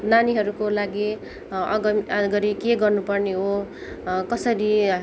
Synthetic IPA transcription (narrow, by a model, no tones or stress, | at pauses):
naniɦʌɾukolaɡi | ʌɡʌmaɡʌɾikeɡʌrnupʌrneɦo | kʌsʌɾi